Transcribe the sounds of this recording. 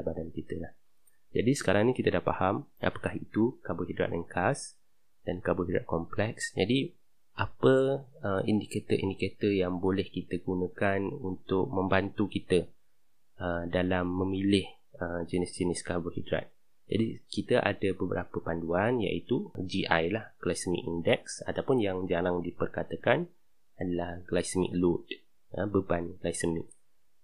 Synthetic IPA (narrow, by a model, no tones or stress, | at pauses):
badankit̪əlah | d͡ʒadisə̥kaɾaŋnĩkit̪ədahpa̰hamʔa̰pḁkahit̪ukabʊhidɾa̰t̪̚ʔəŋkʰas | d̥ankabʊɦidɾa̰t̪̚kɔmplɛksd͡ʒadi | ʔapəəindiket̪əʔḭndiket̪əjaŋbolɛhkit̪əɡunə̃kanunt̪ʊʔ̚mə̃mbant̪ukit̪ə | ədalamːə̃milɪh | əd͡ʒənisd͡ʒənɪskabəhidɾa̰t̪̚ | d͡ʒa̰dikit̪əʔa̰dəbəbəɾapəpanduanja̰ʔit̪ud͡ʒiʔajlahɡ̥lajsəmḭkindɛk̚sat̪awpʊnjaŋd͡ʒaɾaŋdipərkat̪əkan | adalahɡlajsəmḭk̚lud | əbəbanɡlajsəmḭk̚